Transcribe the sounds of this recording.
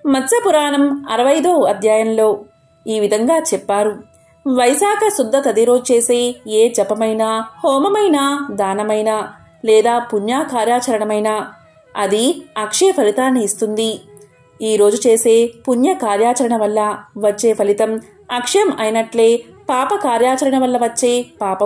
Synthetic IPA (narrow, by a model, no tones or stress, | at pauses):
mɐsɐpuɾaːnɐmɐ̰ɾɐʋɐjd̪o̞ːɐd̪ʱjaːjɐmlo̞ː | iːʋid̪ʱɐŋɡaːt͡ʃɛpːaːɾu | ʋɐjsaːkʰɐsud̪ːɐt̪ɐd̪iɾo̞ːd͡ʒut͡ʃe̞ːse̞ːeːd͡ʒɐpɐmɐjnaːhɔːmɐmɐjnaːd̪aːnɐmɐjnaː | lɛːd̪aːpuɲjaːkaːɾjaːt͡ʃɐɾɐɳɐmɐjnaː | ɐd̪iɐkʂeːpʰɐlit̪aːnːiːst̪und̪i | iːɾo̞ːd͡ʒut͡ʃe̞ːse̞ːpunjɐkaːɾjaːt͡ʃɐɾɐɳɐʋɐlːɐʋɐt͡ʃːe̞ːpʰɐlit̪ɐm | ɐkʂɐjɐmɐjnɐʈle̞ː | paːpɐkaːɾjaːt͡ʃɐɾɐɳɐʋɐlːɐʋɐt͡ʃːe̞ːpaːpɐ